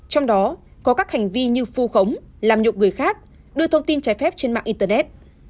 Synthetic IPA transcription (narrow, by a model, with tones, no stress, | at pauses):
t͡ɕɔ˧wŋ͡mɗɔ˨˦kɔ˨˦kaː˦˥k̚ha˨˩jŋ̟vi˧ɲɨ˧fu˧xə˨˦wŋ͡mlaː˨˩mɲṵ˨k͡p̚ŋɨ˨˩əjxaː˦˥k̚ | ɗɨ˧ət̪ʰə˧wŋ͡mt̪i˧nt͡ɕaː˨˦jfɛ˦˥p̚t͡ɕe˧nma̰ː˧˨ʔi˧t̪ə˧nɛ˦˥t̚